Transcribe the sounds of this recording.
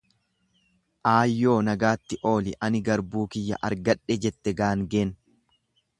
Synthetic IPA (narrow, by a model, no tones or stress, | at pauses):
ʔaːjːo̞ːnɐɡaːt̪ːɪʔo̞ːlɪʔɐnɪɡɐɾbuːkɪjːɐ̰ʔɐɾɡɐᶑːɛd͡ʒɛt̪ːɛɡaːŋɡeːn